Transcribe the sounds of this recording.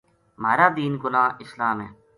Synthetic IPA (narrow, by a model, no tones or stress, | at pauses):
maːɾaːd̪iːnɡʊnãːɪslaːmɦḛː